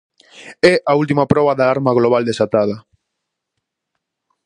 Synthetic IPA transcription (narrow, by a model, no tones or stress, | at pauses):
ɛʔault̪imapɾɔβaðaaɾmaɣloβald̪esat̪að̞ɐ